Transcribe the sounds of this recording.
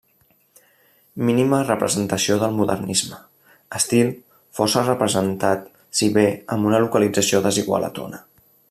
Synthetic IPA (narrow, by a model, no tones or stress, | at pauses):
minimərəpɾə̰zənt̪əsioðəlˠmuðə̰rnizmə | əst̪ilˠ | fɔsərəpɾəzənt̪at̪ | siβeəmbunəlukəlid͡zəsioðəziɣwa̰lə̰t̪o̰nə